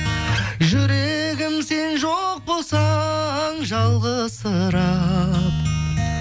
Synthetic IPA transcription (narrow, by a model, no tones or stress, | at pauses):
ʒʏɾe̞ɡʲɪmse̞nʒoq̚bo̞lˠsɑɴʒɑlˠʁəsəɾɑp